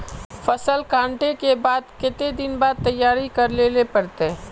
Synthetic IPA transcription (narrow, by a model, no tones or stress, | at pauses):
fɐsəlkãːɳʈekebaːd̪kɪt̪ed̪ɪnbaːd̪̚t̪ɐjːaːɾikɐɾleːlepɐɾt̪e